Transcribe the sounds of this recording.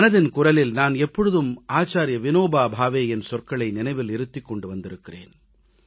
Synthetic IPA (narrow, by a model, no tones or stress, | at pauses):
mɐnɐðɪnkʊrɐlɪlnaːnɛpːɔɻɯðɯmaːt͡ʃːaːɾjɐʋɪnoːbaːbʱaːʋeːjɛnsɔrkɐɭɐɪnɪnɐɪʋɪlɪɾɯt̪ːɪkːɔɳɖɯʋɐnd̪ɪɾɯkːɪrḛːn